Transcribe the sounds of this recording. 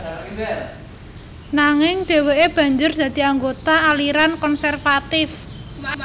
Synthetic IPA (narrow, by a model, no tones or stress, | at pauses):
naŋɪŋɖ̥e̤weeb̥ä̤ɲd͡ʒʊrd̪̥ä̤d̪̥i̤aŋɡot̪aːliɾankɔnsɛrfat̪ɪf